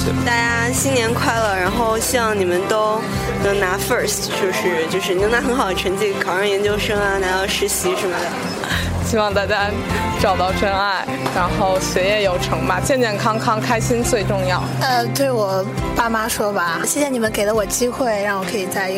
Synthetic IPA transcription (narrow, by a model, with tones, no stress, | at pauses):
t̪a˥˩t͡ɕja˥ɕi˥njɛ˧˥nkʰwa˥˩ɪlə˩ɻa˧˥nxo˥˧ʊɕjɑ˥˧ŋni˨˩mə˦nt̪o˥ʊ | nɤ˧˥ŋna˧˥fə˞˥˩s | t͡ɕjo˥˧ʂɻ̩˥˧t͡ɕjo˥˧ʊʂɻ̩˥˩nɤ˧˥ŋt̪a˥xə˧˥nxɑ˨˩ʊd̪ə˧˩ʈ͡ʂʰə˧˥nt͡ɕi˥˩kʰɑ˨˩ʊɑ˥˩ŋjɛ˧˥nt͡ɕjo˥ʊʂɤ˥ŋa˧na˧˥jɑ˥˩ʊʂɻ̩˧˥ɕi˧˥ʂə˧˥mə˧d̪ə˩˥ | t͡ɕʰi˥wɑ˥˧ŋt̪a˥˩t͡ɕja˥ | ʈ͡ʂɑ˨˩ʊt̪ɑ˥˩ʊʈ͡ʂʰwə˥na˥˩ɪ | ɻa˧˥nxo˥˩ʊɕɥɛ˧˥jɛ˥˩jo˨˩ʊʈ͡ʂʰɤ˧˥ŋma˧t͡ɕjɛ˥˧nt͡ɕ̪jɛ˥˩nkʰɑ˥ŋkʰɑ˥ŋkʰa˥ɪɕi˥nt͡swe˥˧ɪʈ͡ʂʊ˥˧ŋjɑ˥˩ʊə˧t̪we˥˩ɪwɔ˨˩pa˥˩ma˥ʂwɔ˥ba˨ɕjɛ˥˩ɕjɛ˥˩ni˨˩mə˦nke˨˩ɪlə˦wɔ˨˩t͡ɕi˥xwe˥˩ɪɻa˥˩ŋwɔ˨˩kʰɤ˧˥i˨˩t͡sa˥˧ɪ˧˥